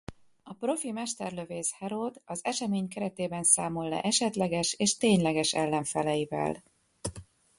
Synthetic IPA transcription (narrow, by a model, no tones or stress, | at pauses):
ɒpro̞fimɛʃt̪ɛrløveːshɛɾoːd̪ɒzɛʃɛmeːɲkɛɾɛt̪eːbɛnsaːmo̞lːɛ̰ʔɛʃɛt̪lɛɡɛʃeːʃt̪eːɲlɛɡɛʃɛlːɛɱfɛlɛjivɛ̰l